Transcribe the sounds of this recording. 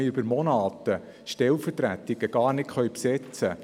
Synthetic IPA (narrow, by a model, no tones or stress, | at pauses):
ɪybəɾmɔnɑːt̪ə | ʃtɛlfərtɾæt̪ɪɡ̥əɡ̥ɑːrnɪtχœɥpsɛt͡sə